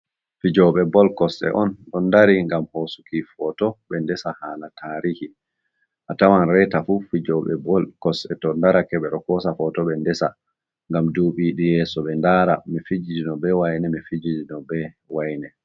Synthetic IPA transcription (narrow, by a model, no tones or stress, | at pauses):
fid͡ʒɔɓɛbɔlkɔsɛ̰ʔɔnɗɔndaɾiŋɡamhosu̥kifɔtɔɓɛndɛsahaːnatʰaːɾihi | ʔatawanɾɛtafufid͡ʒɔɓɛ̰bɔlkɔsɛtɔndaɾakɛɓɛɗɔkɔsafɔtɔɓɛndɛsa̰ | ŋɡamduːɓiɗijɛːsɔɓɛndaɾamifid͡ʒid͡ʒinɔbɛwajnɛmifid͡ʒid͡ʒinɔbɛ | wajnɛ